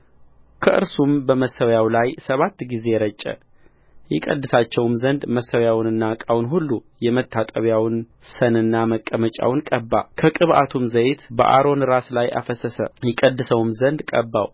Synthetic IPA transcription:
kʰəʔɨ̰ɾsumbəməsːəwjawlajsəβat̪ːɡize̞ɾət͡ʃʼːə̰ | jɛkʼə̰d̪ːɨsat͡ʃːɛwmzənd̪məsəwjawnɨnːakʼawnɦulːu | jɛmət̪ʰːat̪ʼəβjawn | sənɨnːaməkʼːəmət͡ʃʼa̰wnkʼəbːakʰəkʼɨβʔat̪ʰumzəjt̪bə̰ʔa̰ɾo̞nɾaslaja̰fəsəsə̰jɛkʼəd̪ːɨsəwmzənd̪kʼəbːa̰w

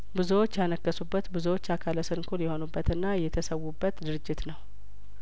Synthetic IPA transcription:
bɨzuwot͡ʃːjanəkːəsubːət̪bɨzuwot͡ʃːakʰaləsɨɾŋkʰuljɛho̞nubːət̪ɨnːajɛt̪ʰəsəwːubːət̪d̪ɨɾɨd͡ʒːɪt̪nəw

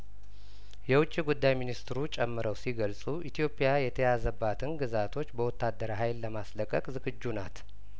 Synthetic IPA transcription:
jɛwʊt͡ʃʼːiɡud̪ːajminist̪ɾut͡ʃʼɛmːɨɾəwsiɡəlsʼuʔit̪ʰijo̞pʼijajɛt̪ʰəjazəbːat̪ʰɨnɡɨzat̪ʰo̞t͡ʃːbəwɔt̪ʰːad̪ːəɾaɦajlːəmasləkʼːəkʼzɨɡɨd͡ʒːunat̪

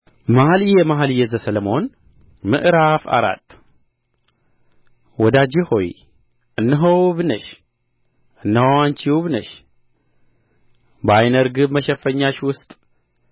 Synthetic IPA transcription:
mahalijɛmaɦalijɛzəsələmo̞n | mɨ̰ʔɾafa̰ɾa̰t̪ʰʼː | wɔd̪ad͡ʒiho̞j | ʔɨnːɨɦəwβɨnəʃ | ɨnːwant͡ʃiwβnəʃ | bajnəɾɡɨbməʃɛfəɲːaʃwʊst̪ʼ

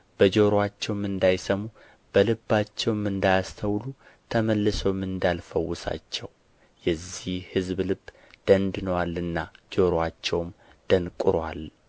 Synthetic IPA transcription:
b̥əd͡ʒo̞ɾowat͡ʃːɛwmɨnd̪ajsəmu | b̥əlɨbːat͡ʃːɛwmɨnd̪ajast̪ʰəwlu | t̪ʰəməlːɨsowmɨnd̪alfəwːʊsa̰t͡ʃːɛw | jɛzːihhɨzblɨbː | d̪̥ənd̪ɨnəwalɨnːad͡ʒo̞ɾoat͡ʃːɛwmd̪̥ənkʼɨɾwa̰l

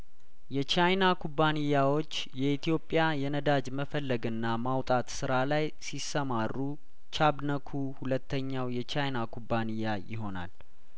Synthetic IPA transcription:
jɛt͡ʃajnakʰubːanijːawo̞t͡ʃːjɛit̪ʰijo̞pʼːjajɛnəd̪ad͡ʒməfəlːəɡɨnːamawt̪ʼat̪sɨɾalaj | sisːəmarːu | t͡ʃʰabnəkʰuhulət̪ʰːəɲːawjɛt͡ʃajnakʰubːanijːajɪ̰ɦo̞na̰l

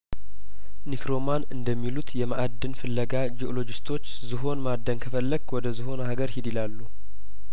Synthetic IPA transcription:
nikɾo̞manɨnd̪əmːilut̪jɛmaʔad̪ːɨnfɨlːəɡad͡ʒiʔolo̞d͡ʒɪst̪ʰo̞t͡ʃːzɨɦo̞nmad̪ːəŋkʰəfəlːəɡwɔd̪əzɨɦo̞nhaɡəɾhid̪ilalːu

